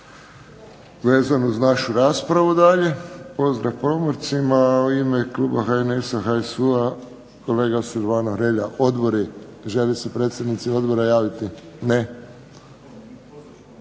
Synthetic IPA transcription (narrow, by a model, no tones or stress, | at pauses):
ʋe̞ːzanozanaʃuɾaːspɾaʋud̪aʎe̞po̞zd̪ɾafpɾo̞moɾt̪simauimeklˠuːbaxaenesaxaesua | ko̞le̞ːɡasuɾʋaːnoxɾeʎaʔo̞d̪bo̞ɾi | ʒe̞lisepɾet̪st̪ad̪nit̪sio̞d̪bo̞ɾajaːʋit̪ine